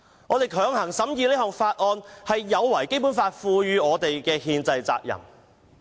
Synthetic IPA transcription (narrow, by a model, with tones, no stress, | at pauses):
ŋɔː˨˧t̪e˨jkʰœː˨˧˥ŋhɐ˨˩ŋsɐ˨˥mjiː˨˧liː˥ɦɔː˨ŋfaː˧t̚ʔɔː˧nhɐ˨jːɐ˨˧wːɐ˨˩jke˥jp̬uː˨˥nfaː˧t̚fuː˧jyː˨˧ɔː˨˧t̪e˨jkɛː˧hiː˧nt͡sɐ˧jt͡sa̰ː˧k̚jɐ̰˨˩m